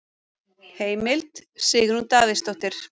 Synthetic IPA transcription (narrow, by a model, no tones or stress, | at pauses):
heːjmɪlt̪sɪːɣɪɾhunt̪aːðɪst̪ɔht̪ɪɾ̥